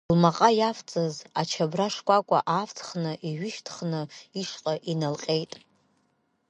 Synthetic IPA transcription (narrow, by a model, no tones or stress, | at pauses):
lmaqʼajaft͡sʼazat͡ʃʰabraʂkʷʼakʷʼa̰ʔaft͡sʰʼχnɨʔiɥɪʃtʰχnɨiʂqʼaʔinalqʲʼe̞jtʼ